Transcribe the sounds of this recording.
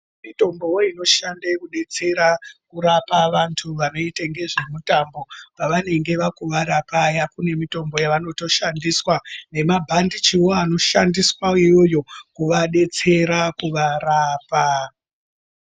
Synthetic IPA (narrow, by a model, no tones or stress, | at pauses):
mito̞mbo̞woino̞ʃandekuɗe̞t͡se̞ɾakuɾapaʋantʰuʋano̞itaŋɡe̞ʐe̞mutambo̞paʋane̞ŋɡe̞ʋakuʋaɾapajakune̞mito̞mbo̞jaʋano̞to̞ʃandiswane̞mabʱandit͡ʃiwoano̞ʃandiswaijo̞jo̞kuʋaɗe̞t͡se̞ɾakuʋaɾaːpa